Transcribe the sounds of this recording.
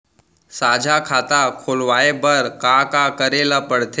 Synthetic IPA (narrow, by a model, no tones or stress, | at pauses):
saːd͡ʒʱakʰaːt̪akʰoːlʋaːebəɾkakakəɾeːlapəɽt̪ʰe